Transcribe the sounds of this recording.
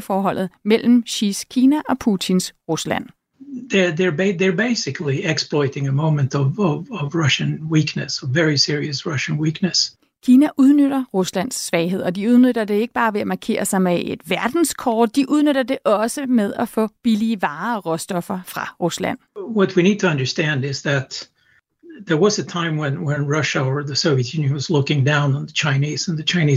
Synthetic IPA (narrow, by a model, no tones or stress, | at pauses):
fɒːɦɒ̽l̰ð̩ˠmel̰m̩ɕiskʰiːnæʔɒ̽pʰuːt͡sʰinsʁuslæ̰n̰ | ðəðə˞beɪðə˞beɪsɪkʰliɛksplɔɪɾɪ̃ŋɨmõʊ̃mɨ̃ntʌvʌvʌvɹʌʃɨ̃nwiknɨsʌvɛɹisɪɹiɨsɹʌʃə̃nwiknɨs | kʰiːnæʔuð̞ˠnøɾɐʁuslæn̰sːʋɛɪɦe̝ð̰ˠɒ̽d̥iuð̞ˠnøɾɐd̥e̝e̝ɡ̥əb̥ɑ̈ːʋe̝æmɑ̈ːkʰe̝̰ːɐsɑ̈ɪmeʔed̥ʋæɐd̥n̩skʰɒːd̥ːiʔuð̞ˠnøɾɐd̥e̝ʔɒ̽səmeð̞ˠæfɔ̰̽ːb̥iliəʋɑ̈ːɒʁɔ̽sd̥ɒ̽fɐfʁɑ̈ʁuslæ̰n̰wʌt̚winid̚tʰɨʌ̃ndə˞stæ̃ndɪzðɨt̪̚ | ðə˞wʌzɨtʰãɪ̃mwɨ̃nwə̃nɹʌʃəə˞ðɨsoʊviɨtjʉ̃njɨ̃nwʌzlʊkɪ̃ŋdãʊ̃nə̃n̩ðɨt͡ʃʰãɪ̃niz̥ə̃n̩ðɨt͡ʃʰãɪ̃ni